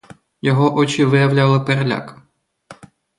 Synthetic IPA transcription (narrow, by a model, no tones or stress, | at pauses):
jɔɦɔʔɔt͡ʃʲiʋɪjɐwlʲalˠɪperlʲa̰k